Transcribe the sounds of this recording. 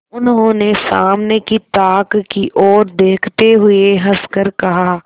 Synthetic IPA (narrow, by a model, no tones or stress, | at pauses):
ʊnɦõːnesaːmnekit̪aːkkiʔɔːɾd̪eːkʰt̪eɦʊeɦɐskəɾkɐɦaː